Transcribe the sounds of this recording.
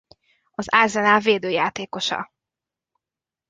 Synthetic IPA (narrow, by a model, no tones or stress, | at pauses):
ɒzaːrzɛnaːveːd̪øːjaːt̪eːko̞ʃɒ̰